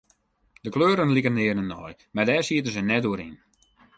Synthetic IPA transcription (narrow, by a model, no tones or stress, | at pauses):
d̥əkløːɾənlikəndɪərnənːɔjmadɛːrsiətənzənɛt̚doəɾin